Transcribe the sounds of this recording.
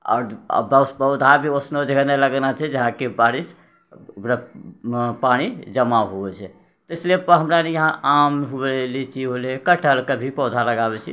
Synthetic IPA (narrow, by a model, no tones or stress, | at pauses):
ɔ̰ːɾ̰bəwspəʊd̪ʱabʱiosnod͡ʒɡəneləɡnat͡ʃʰɛd͡ʒəɦãkebaɾis | ukɾa | pañid͡ʒəmaɦobɛt͡ʃʰɛ | t̪esliepəɦəmɾanejəɦãʔamɦubɛlit͡ʃʰiɦolekəʈʰəlkəbʱipɔd̪ʱaləɡabɛt͡ʃʰi